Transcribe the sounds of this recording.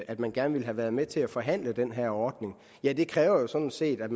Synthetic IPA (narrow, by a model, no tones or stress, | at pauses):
ʔæd̥mænɡ̥æɐnəʋilɦæʋæɐð̞ˠmet͡sʰe̝æfɒ̽ɦæn̰ləd̥enɦæɐ̰ɒːd̥ne̝ŋ | jæd̥e̝kʰʁɛːʊɐjo̝sɒ̽d̥n̩se̝̰ːd̥æd̥m